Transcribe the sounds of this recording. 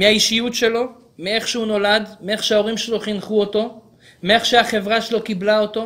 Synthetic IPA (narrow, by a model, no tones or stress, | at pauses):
mehaiʃijutʃe̞lo̞ | mee̞χʃeuno̞lad̪mee̞χʃeao̞ʁimʃe̞lo̞χinχuo̞t̪o̞ | meeχʃeaχe̞vʁaʃelo̞kiblao̞t̪o̞